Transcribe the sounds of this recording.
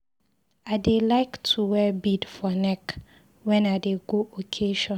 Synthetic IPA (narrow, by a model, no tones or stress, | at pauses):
aɪdelaɪktʰuwɛbidfɔnɛk | wɛ̃naɪdeɡoʔokʰeʃɔ̃n